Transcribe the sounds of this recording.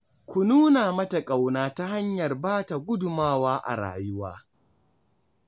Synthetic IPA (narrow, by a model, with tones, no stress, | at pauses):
kʷʊ˨nuː˦naː˨mɐ˦ta˨kʼa˨wnaː˨ta˦ha˦ɲjɐ˨rbaː˦ta˨ɡʷʊ˦dʊ˨maː˦waː˦ʔa̰˨ɽa̰ː˨jʊ˦waː˦